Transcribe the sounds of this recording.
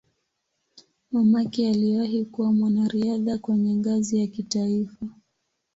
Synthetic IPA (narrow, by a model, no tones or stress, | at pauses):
mamakialiaɦikuwamwanaɾiaðakwɛɲɛŋɡazijakitaifa